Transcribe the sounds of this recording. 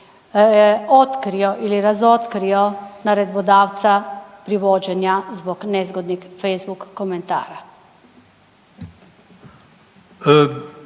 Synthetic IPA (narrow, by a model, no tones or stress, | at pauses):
ɔt̪kɾijɔʔiliɾazɔt̪kɾijɔnaɾɛd̪bɔd̪aːwt̪sapɾiʋoːd͡ʒɛnjazbɔknɛzɡɔd̪nixfɛjzbukːɔmɛnt̪a̰ːɾa